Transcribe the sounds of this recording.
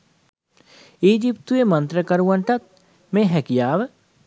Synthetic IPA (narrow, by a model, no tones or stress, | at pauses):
iːd͡ʒipt̪uemɐnt̪ɾəkɐɾuʋɐɳʈɐt̪̚ | mẽːɦɛkijaːʋə